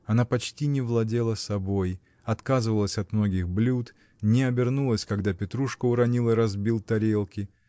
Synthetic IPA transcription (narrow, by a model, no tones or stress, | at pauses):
ɐnapɐt͡ɕtʲinʲɪvlˠɐdʲelˠəsɐbo̞j | ɐt̪kazɨvəlˠəsʲɐt̪mno̞ɡʲɪxblʲut̪ | nʲɪɐbʲɪrnulˠəsʲkɐɡd̪apʲɪt̪ɾuʂkəʊɾɐnʲilˠəiɾɐzbʲilˠt̪ɐɾʲelˠkʲɪ